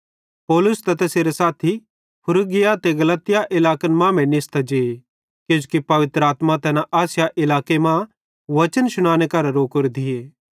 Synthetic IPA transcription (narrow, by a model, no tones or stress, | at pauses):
pɔːlʊst̪ɐt̪ɛseːɾesaːt̪ʰi | pʰʊɾʊɡɪjat̪eɡɐlət̪ːɪjaʔɪlaːkənmãːmɛ̃nɪst̪ad͡ʒeː | kjõːd͡ʒukipɐʋɪt̪ɾəaːt̪mat̪ɛnaʔaːsjaʔɪlaːkemã | ʋɐt͡ʃənʃʊñaːñekɐɾɾoːkʊɾd̪ɪeː